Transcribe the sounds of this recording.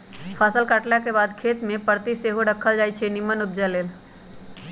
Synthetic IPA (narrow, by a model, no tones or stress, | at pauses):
pʰasəlkəʈlakebad̪kʰet̪mẽpəɾt̪iseɦoɖəkʰːəld͡ʒajt͡ʃʰɛnimənup̚d͡ʒaleːl